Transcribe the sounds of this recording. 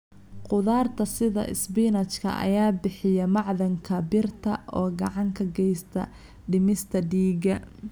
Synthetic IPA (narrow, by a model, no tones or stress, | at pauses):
qʊðaːrt̪ʰɐsɪðɐ̰ʔɪ̰sbɪnɐt͡ʃkʰɐ̰ʔɐ̰jaːbɪħɪjɐmɑʕðɐŋkʰɐbɪrt̪ʰɐʔɔːɡɑʕɑŋkʰɐɡɛjst̪ʰɐ̰ | ɖɪmɪst̪ʰɐɖiːɡɐ